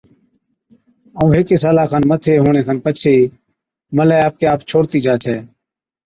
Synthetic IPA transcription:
əũːɦɪkeːsəːlaːkʰaːnmət̪ʰeːɦoːɳeːkʰaːnpət͡ʃʰeː | məlɛːaːp̚keːaːpt͡ʃʰoːɽt̪iːd͡ʒaːt͡ʃʰɛː

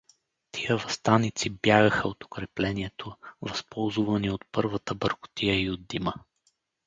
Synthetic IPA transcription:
t̪ʰijəvɐst̪anit̪sibjaɡəxəot̪o̥kɾɛplɛnʲiɛt̪ʰovɐspolˠzuvəniot̪̚pɤɾvət̪əbəɾkʊ̥t̪ijəiod̪ːimə

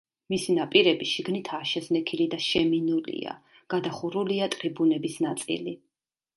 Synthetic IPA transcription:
misinapʼiɾɛbiʃiɡnit̪ʰaʃɛsnɛkʰilid̪aʃɛminulḭa̰ | ɡ̥ad̪aχuɾuliat̪ʼɾibunɛbisnat̪sʼḭli

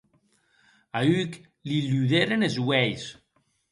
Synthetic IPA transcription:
ayk | liʎyðeɾenezwɛjs

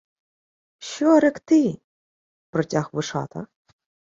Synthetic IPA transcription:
ʃt͡ʃɔɾɛkt̪ɪ | pɾɔtʲaxʋɪʃɑ̰t̪ɐ̰

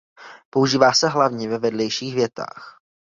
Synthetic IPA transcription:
po̞uʒiːvaːsɛɦlavɲɛvɛvɛdlɛjʃiːxvjɛt̪a̰ːx

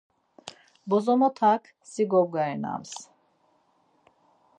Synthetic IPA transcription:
bɔzɔmɔt̪ʰakʰ | siɡɔb̚ɡaina̰ms

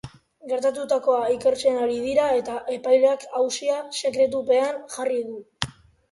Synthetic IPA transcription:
ɡe̞ɾt̪at̪̬ut̪ako̞aike̞ɾt͡se̞naɾið̞iɾae̞t̪aʔe̞pajleakawsiase̞kɾe̞t̪̬upe̞anʝariðu

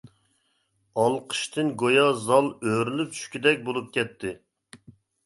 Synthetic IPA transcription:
ɑlˠqʰə̥ʃt̪ʰɨnɡojɑzɑlˠøɾlyp̚t͡ʃʰy̥ʃkʲid̪ɛkʲbolˠup̚kʲɛt̪ʰːɪ

